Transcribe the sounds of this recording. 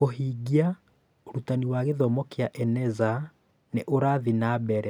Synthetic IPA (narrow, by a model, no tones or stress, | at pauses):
oɦiːɡia | oɾutaniwaɣeðɔmɔkeaʔɛnɛza | neʔoɾaðinabɛɾɛ